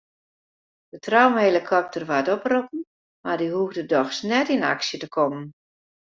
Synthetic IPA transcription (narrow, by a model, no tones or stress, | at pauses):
d̥ətrɔwmelikʰɔp̚tərʋatɔpropən̩ | mardiɦuɣdədɔxsnɛtina̰ksjətəkʰɔmən